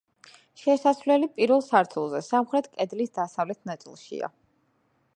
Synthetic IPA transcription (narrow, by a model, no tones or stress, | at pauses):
ʃɛsasvlɛlipʼiɾvɛlˠsaɾt̪ʰulˠzɛsamχɾɛt̪ʰkʼɛd̪lisd̪asavlɛt̪ʰnat̪sʼḭlˠʃḭa̰